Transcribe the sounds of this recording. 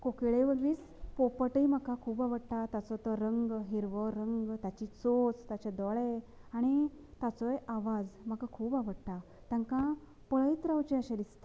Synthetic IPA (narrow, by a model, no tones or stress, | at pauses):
kokeɭeʋəɡʋiːs | popəʈim̤əkakʰuːpaʋəɽʈ̪at̪at͡sɔt̪əɾəŋɡɦiɾʋəɾəŋɡt̪jat͡ɕit͡sot͡st̪at͡ɕed̪ɔɭeaɽ̃it̪at͡sɔjaʋad͡zm̤akakʰuːpaʋəɽʈ̪a | t̪ãŋkã | pəɭəjt̪ɾawt͡ɕeəɕẽd̪ist̪